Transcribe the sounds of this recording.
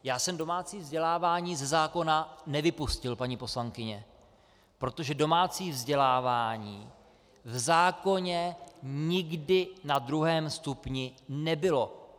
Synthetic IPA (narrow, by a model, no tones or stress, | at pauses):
jaːsɛmdo̞maːt͡siːvzɟɛlaːvaːɲiːzɛzaːko̞nanɛvɪpuscɪlpaɲɪpo̞slaŋkɪɲɛ | pɾo̞t̪o̞ʒɛdo̞maːt͡siːvzɟɛlaːvaːɲiː | vzaːko̞ɲɛɲɪɡdɪnadɾuɦɛːmst̪upɲɪnɛbɪlo̞